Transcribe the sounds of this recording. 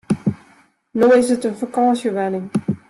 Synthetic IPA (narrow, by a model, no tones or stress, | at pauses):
noɪsətənfakɑnsjəʋɛnɪŋ